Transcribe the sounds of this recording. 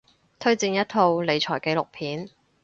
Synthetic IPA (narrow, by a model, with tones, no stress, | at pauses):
t̪ʰɵ˥ɥt͡siː˧njɐ˥t̚t̪ʰo˧wle˨˧jt͡ʃʰɔː˨˩jke˨˧˥lʊ˨k̚pʰiː˨˥n